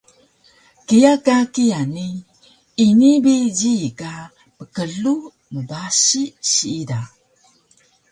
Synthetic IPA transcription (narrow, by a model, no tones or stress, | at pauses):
kijakakiani | inibiɟika | pəkəɮu | məbaɕiɕiida